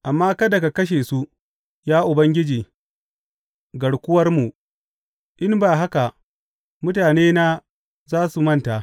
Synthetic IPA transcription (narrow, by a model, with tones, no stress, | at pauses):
ʔa˨mːaː˦kɐ˦da˨ka˨kɐ˦ʃ̬eː˨su˦ | jaː˦ʔʊ˨bɐ˦ŋɡʲɪ˦d͡ʒiː˨ | ɡɐ˨ɽkʷʊ˦wɐ˦rmu˨ | ʔɪ˦nbaː˨ɦa˦ka˨ | mʊ˦taː˨neː˦na˦ | zaː˦su˨mɐ˦nta˨ʔ